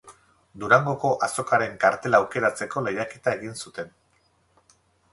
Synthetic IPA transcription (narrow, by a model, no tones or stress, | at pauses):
d̪uɾaŋɡo̞ko̞ʔaso̞kaɾe̞ŋkaɾt̪e̞laːwke̞ɾat͡se̞ko̞lejake̞t̪ae̞ɣinsut̪e̞n